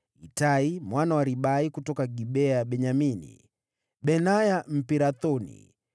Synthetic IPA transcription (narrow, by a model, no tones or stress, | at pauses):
itaimwanawaɾiɓaikutɔkaɡiɓɛaɓɛɲaminḭ | ɓɛnajam̩piɾaθɔnḭ